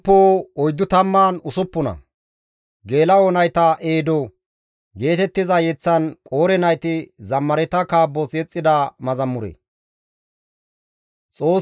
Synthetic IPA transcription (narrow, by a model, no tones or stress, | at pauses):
pːoːɔjd̪ːʊt̪ɐmːaːnʊsʊpːʊnɐ̰ | ɡe̞ːlɐonɐjt̪ɐʔeːd̪o | ɡe̞ːt̪ɛt̪ːɪzɐjɛt͡sːɐnkʼoːɾɛnɐjt̪ɪzɐmːɐɾɛt̪ɐkaːbːɔsɛt͡sʼːɪd̪ɐmɐzɐmːʊɾḛ | t͡sʼo̞ː